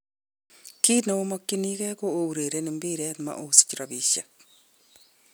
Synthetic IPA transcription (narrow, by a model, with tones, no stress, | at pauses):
ki˦na˨o˦mo˦ki˦niɣɛ˦ko˦ou˨ɾe˨ɾene˨mbi˦ɾe˦n˨ma̰˨ʔo˨si̥˨t͡ʃi˨ɾaβiʃa̰˨k